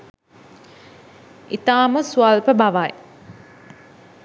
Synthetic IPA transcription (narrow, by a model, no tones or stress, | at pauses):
it̪aːməsualpəbaʋaj